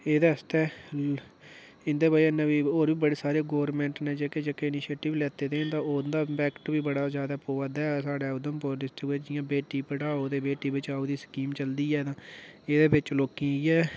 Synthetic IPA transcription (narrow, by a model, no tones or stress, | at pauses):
eːd̪aːəst̪ɛː | ɪnd̪eːbaːiɪnẽːbiːoːɾbiːbəɽeːsaːɾeːɡoːɾmɛ̃ːɳʈnẽːd͡ʒeːkeːd͡ʒeːkeɪnɪːʃeːʈɪʋlɛːt̪eːd̪eːnt̪ãːoːd̪aːpɛːkʈbiːbəɽaːzjaːd̪aːpoːad̪aɛːsaːɖɛːʊd̪əmpoːɖɪsʈɪɡeːd͡ʒɪjãːbeːʈiːpəɽaːoːd̪eːbeːʈiːbɪt͡ʃaːoːd̪iːskiːmt͡ʃəld̪iːɛːd̪ãːeːd̪eːbɪt͡ʃloːkĩːiɛː